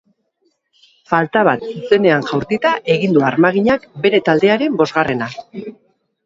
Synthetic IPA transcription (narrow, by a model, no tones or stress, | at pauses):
falt̪aβ̞at̪suse̞ne̞aŋʝawɾt̪it̪aʔe̞ɣind̪uaɾmaɣiɲakbe̞ɾe̞t̪ald̪e̞aɾe̞mbo̞zɣare̞na